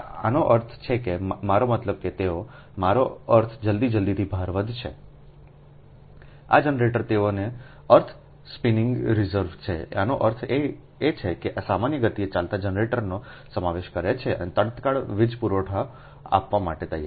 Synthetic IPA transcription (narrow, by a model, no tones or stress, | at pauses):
a̰noʔəɾt̪ʰt͡ʃʰekemaɾomət̪ləb̚ket̪eo | maɾoəɾt̪ʰd͡ʒəld̪id͡ʒəld̪it̪ʰibʱaɾʋəd̪ʱt͡ʃʰe | a̰d͡ʒənɾeʈəɾt̪eone | əɾt̪ʰ | spinɪŋɡɾizəɾʋt͡ʃʰḛa̰noʔəɾt̪ʰe | et͡ʃʰekeʔasamanjəɡət̪iet͡ʃalt̪ad͡ʒənɾeʈəɾnosəmaʋeʃkəɾet͡ʃʰeə̰net̪əɽt̪kaɭʋid͡ʒpuɾoʈʰa | a̰pʋamaʈet̪əja̰ɾ